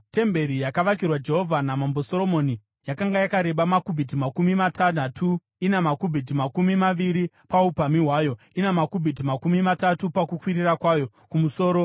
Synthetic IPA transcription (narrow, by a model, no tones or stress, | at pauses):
te̞mbe̞ɾijakaʋak̬irwad͡ʒe̞ɦo̞vʱanamambo̞so̞ɾo̞mo̞ni | jakaŋɡajakaɾe̞ɓamakubʱit̬imakumimatʰanatʰu | inemakubʱit̬imakumimaʋiɾi | paupamiɦwaːjo̞ | inemakubʱitimakumimatatupakukwiɾirakwaːjo̞ | kumuso̞ːɾo̞